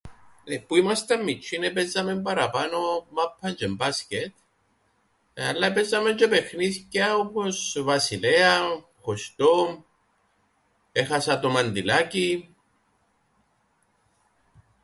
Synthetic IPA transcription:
epuimast̪amːit͡ʃʰːinepezːamembaɾapanomapʰːɐnd͡ʒembascet̪ | alːapezːamend͡ʒepexniscaoposvasilea | xost̪o | exasat̪omand̪ilaci

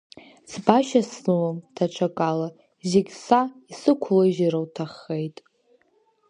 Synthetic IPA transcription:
sbaʃasnɨwamtʰaʈ͡ʂʷʰakʼala | zeɡʲsaisɨkʷʰloizaɾawtʰaχːejtʼ

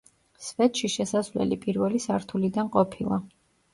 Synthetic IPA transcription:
svɛt̪ʃiʃɛsasvlɛ̰lipʼiɾvɛlisaɾt̪ʰulid̪anqʼɔpʰilˠa̰

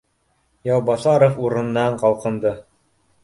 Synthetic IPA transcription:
jɑwbɑsɑɾofuɾɤ̆nːɑɴqɑlˠqɤ̆nd̪ɤ

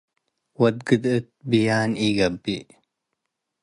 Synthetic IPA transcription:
wɐd̪̚ɡɨd̪ɨt̪̚bijaːniːɡɐbːi

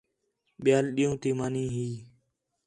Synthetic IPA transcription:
ɓɪjaːlɗiːũːt̪iːmaːnĩːɦiː

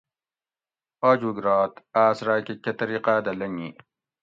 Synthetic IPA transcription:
aːd͡ʑuɡɾaːt̪aːsɾaːkikɐt̪ɐɾiqaːd̪ɐlɐŋḭ

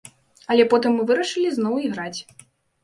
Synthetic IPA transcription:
ɐlʲɛpɔt̪ɨmːɨvɨɾɐʂɨlʲiznɔwiɣɾat͡sʲ

